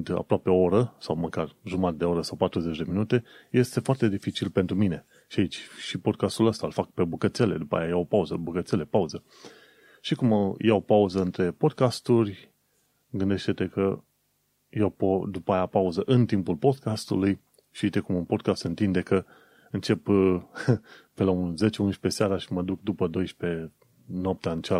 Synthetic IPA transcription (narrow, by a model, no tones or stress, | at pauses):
d̪a̰pɾoape̞ooɾəsawməkarʒumat̪d̪eo̞ɾəsawpat̪ɾuze̞t͡ʃʲd̪e̞minut̪e̞je̞st̪e̞foart̪e̞d̪ifit͡ʃilpe̞nt̪ɾumine̞ | ʃiait͡ʃʲʃipo̞d̪̚kast̪uləst̪alfak̚pe̞bukət̪se̞le̞̰d̪upa̰jajaopauzəbukət̪sele̞pauzə | ʃikumjawopauzəɨnt̪ɾe̞po̞d̪̚kast̪urʲ | ɡɨnd̪e̞ʃt̪e̞t̪e̞kə | jewpod̪upajapauzəʔɨnt̪impulpo̞d̪̚kast̪uluj | ʃit̪ekumunpo̞d̪̚kast̪ɨnt̪ind̪e̞kə | ɨnt͡ʃe̞p | pe̞launze̞t͡ʃeunʃpe̞seaɾaʃiməd̪uk̚d̪upəd̪o̞jʃpe̞ | nap̚t̪aɨnt͡ʃa